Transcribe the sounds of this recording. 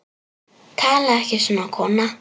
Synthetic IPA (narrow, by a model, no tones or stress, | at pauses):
kʰalaxeʂʊnakʰɔna